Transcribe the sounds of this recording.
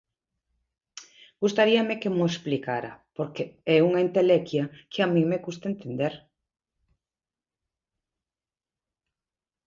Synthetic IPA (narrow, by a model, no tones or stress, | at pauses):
ɡ̥ust̪aɾiɐmekemoesplikaɾɐ̰poɾkeɛuŋɐint̪elekjɐkeamĩŋmeɣust̪ɐent̪end̪eɾ